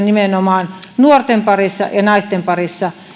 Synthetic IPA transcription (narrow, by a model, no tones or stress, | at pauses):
nimenomɑːnnuort̪empɑrisːɑ̰jɑnɑist̪empɑrisːɑ